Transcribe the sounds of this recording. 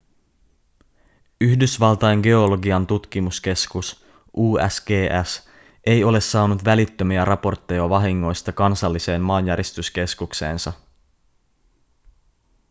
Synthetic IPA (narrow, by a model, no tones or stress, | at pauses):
yhdysʋɑlt̪ɑeŋɡe̞o̞lo̞ɡiɑnt̪ut̪kimuske̞skus | ʔuːæ̰sɡ̥eːʔæs | ʔe̞jo̞le̞sːɑːnut̪ʋælit̪ːømiæɾʔɑpo̞rt̪ːejoʋɑɦiŋːo̞jst̪ɑkɑnsɑlːise̞ːmːɑːnjæɾist̪yske̞skukse̞̰ːnsɑ